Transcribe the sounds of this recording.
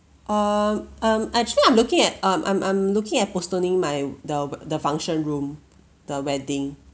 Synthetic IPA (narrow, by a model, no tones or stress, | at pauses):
ʔʌmʌ̃mɛk̚t͡ʃuliãɪ̃mlukɪ̃ŋɛt̚ʌ̃mʔã̰ɪ̃mʔã̰ɪ̃mlukɪ̃ŋɛt̚postonĩŋmaɪdəwdəfãŋʃə̃nɹũm | d̥əwɛdĩŋ